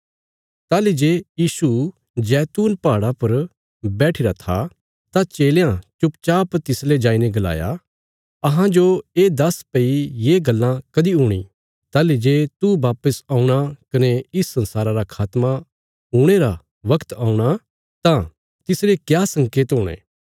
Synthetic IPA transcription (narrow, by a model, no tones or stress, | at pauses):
t̪aːlid͡ʒeːjiːsu | d͡ʒɛːt̪uːnpaːɽapɐɾ | bɛːʈʰɪɾat̪ʰa̰ | t̪at͡ʃeːlejãt͡ʃʊpt͡ʃaːpt̪ɪsled͡ʒaːineɡɐla̰ːja̰ | ɐɦãd͡ʒoeːd̪ɐspɐijeːɡɐlːãkɐd̪iɦuːɽ̃ḭ | t̪aːlid͡ʒeːt̪ubaːpəsaːuɽ̃akɐneɪsːɐ̃nsaːɾaɾakʰaːt̪mã | ɦuɽ̃eɾa | ʋɐkt̪aːuɽ̃a | t̪ã | t̪ɪsɾekjaːsɐ̃ŋkeːt̪ɦoːɽ̃ḛ̃ː